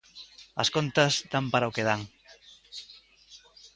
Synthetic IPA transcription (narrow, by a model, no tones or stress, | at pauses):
ɐ̰skont̪ɐzd̪ampaɾaokeðaŋ